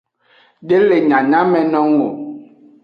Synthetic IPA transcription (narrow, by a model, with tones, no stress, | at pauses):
ɖe˦le˨ɲã˨ɲã˦mɛ̃˨nɔ̃˦ŋ˦o˨